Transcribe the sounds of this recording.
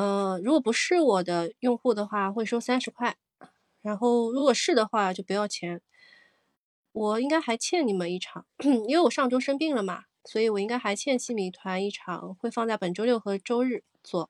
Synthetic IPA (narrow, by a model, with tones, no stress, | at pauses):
ə˧ɻu˧˥kwɔ˨˩pu˧˥ʂɻ̩˥˩wɔ˨˩d̪ə˦jʊ˥˧ŋxu˥˩d̪ə˩xwa˥˩xwe˥˩ɪʂo˥ʊsa˥nʂɻ̩˧˥kʰwa˥˩ɪ | ɻa˧˥nxo˥˩ʊɻu˧˥kwɔ˨˩ʂɻ̩˥˩d̪ə˩xwa˥˧t͡ɕjo˥˩ʊpu˧˥jɑ˥˩ʊt͡ɕʰjɛ˧˥n | wɔ˨˩i˥ŋka˥ɪxa˧˥ɪt͡ɕʰjɛ˥˩ni˨˩mə˦ni˥˩ʈ͡ʂʰɑ˨˩˦ŋ˥i˧we˧˥wɔ˨˩ʂɑ˥˩ŋʈ͡ʂo˥ʂɤ˥ŋpi˥˩ŋlə˩mɐ̰˩ | swɔ˧˥i˨˧˩wɔ˨˩i˥ŋka˥ɪxa˧˥ɪt͡ɕʰjɛ˥˧nɕi˥˩mi˧˥˩t̪ʰwa˧˥ni˥˩ʈ͡ʂʰɑ̰˨˩˦ŋxwe˥˧ɪfɑ˥˧ŋt͡sa˥˩ɪpə˨˩nʈ͡ʂo˥ʊljo˥˩ʊxɤ˧˥ʈ͡ʂo˥ʊɻɻ̩˥˩ | t͡swɔ˥˩